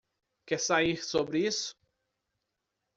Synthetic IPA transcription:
kesaiɾsobɾɪisʊ̥

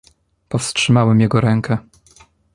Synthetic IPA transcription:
pɔfstʂɘmawɛmjɛɡɔɾɛŋkʰɛ

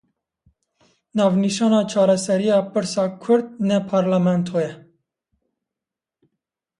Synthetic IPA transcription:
nɑːvniʃɑːnɑːt͡ʃʰɑːɾɛsɛɾijɑːpɨɾsɑːkʰʊɾd̪̚nɛpʰɑɾlamɛnt̪ʰojɛ

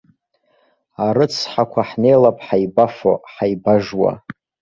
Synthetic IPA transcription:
aɾɨt͡sʰħakʷʰaħne̞jlapʼħajbafo̰ħajbaʐwa̰

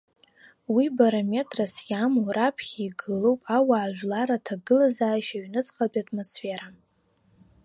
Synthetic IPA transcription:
wibaɾome̞tʼrasjamoɾapʰχʲiːɡɨlo̞wpʼawaːʒᶣʷlaɾatʰaɡɨlazaːʃaɥnɨt͡sʼqʼat͡pʼiatʼmo̞sfe̞ɾa

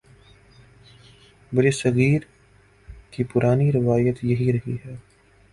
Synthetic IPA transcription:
bɐɾesɐɣiːɾ | kipʊɾʔaːniɾɪʋaːjət̪jɐɦiɾɐɦḭɦɛː

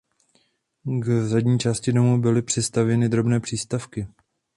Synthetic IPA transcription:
ɡvzadɲiːt͡ʃaːscɪdo̞muːbɪlɪpr̝̥ɛst̪avjɛnɪd̪ɾo̞bnɛːpr̝̥iːst̪afkɪ

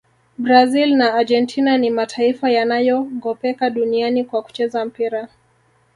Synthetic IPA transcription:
bɾazilnaːd͡ʒɛntʰinanimatʰaifajanajɔɡɔpɛkaɗunianikwaku̥t͡ʃɛzam̩piɾa

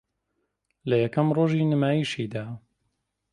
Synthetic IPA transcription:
lɐjɐkɐmroːʒiːnəmaːjiːʃiːd̪aː

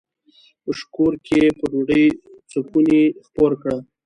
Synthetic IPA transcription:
pəʃkoɾkepəɾoɖəjt͡səpunexpoɾkɽa

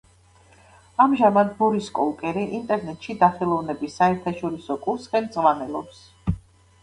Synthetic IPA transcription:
amʒamad̪̚bɔɾiskʼɔlˠkʼɛɾiʔint̪ʼɛɾnɛt̪ʼʃid̪aχɛlˠɔvnɛbisːaɛɾt̪ʰaʃɔɾisɔkʼuɾsχɛnd̪sʼʁvanɛlˠɔps

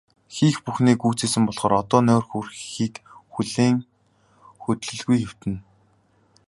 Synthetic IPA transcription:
xiːxpuxniːkuːt͡seːsɘ̆mpɔɮχɔːɾɔt̪ɔːnʊːrxurxiːt̪xuɮeːŋ | xɵt̪ɮɵ̆ɮɣujxew̥t̪ɘ̆n

